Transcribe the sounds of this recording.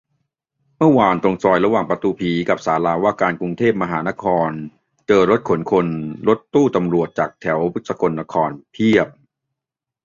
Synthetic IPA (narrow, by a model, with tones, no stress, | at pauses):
mɯ˥˩waː˧nt̪ɾo˧ŋsɔː˧jɾa˧waː˨˩ŋpɾa˧t̪uː˧pʰiː˩˦ka˨˩p̚saː˩˦laː˧waː˥˩kaː˧nku˧ŋt̪ʰeː˥˩p̚ma˧ɦaː˩˦na˦˥kʰɔː˧n | t͡ɕɤː˧ɾo˦˥t̪̚kʰo˩˦nkʰo˧nɾo˦˥t̪ːuː˥˩t̪a˧mɾu˨˩ət̪̚t͡ɕaː˨˩k̚t̪ʰɛ˩˦wpu˦˥t̪̚sa˧ko˧nːa˦˧˥kʰɔː˧npʰi˥˩əp̚